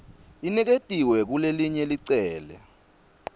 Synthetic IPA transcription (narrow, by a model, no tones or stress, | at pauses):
inɛk̬etʼiwɛk̬uleliɲɛliǀɛːlɛ̰